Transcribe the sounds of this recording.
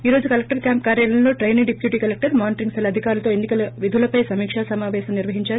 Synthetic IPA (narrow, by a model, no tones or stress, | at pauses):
iːɾo̞ːd͡ʒukɐlek̚ʈɐɾkjaːmp̚kaːɾjaːlɐnloːʈɾɐjniɖipjuːʈiːkɐlek̚ʈɐɾmaːniʈɾiŋɡsɐlɐd̪ʱikaːɾulɐt̪o̞ːenːikɐlɐʋid̪ʱulɐpɐjsɐmiːkʂaːsɐmaːʋɛːsɐmniɾʋɐɦiɲt͡ʃaːɾu